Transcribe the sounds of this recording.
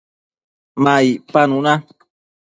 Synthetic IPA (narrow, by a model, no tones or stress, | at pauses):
mãipanũnã